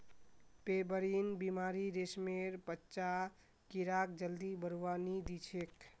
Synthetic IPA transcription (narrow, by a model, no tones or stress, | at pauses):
pebəɾinbimaɾiɾesmeɾpətːt͡ʃa | kiɾakd͡ʒəld̪ibəɾuwanid̪it͡ʃʰek